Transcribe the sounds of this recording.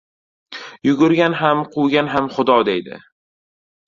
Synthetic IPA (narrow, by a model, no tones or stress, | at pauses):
jʊɡʊɾɡʲanɦamqʰʊwɡʲanɦamχʊd̪ɒd̪ejd̪ɪ̰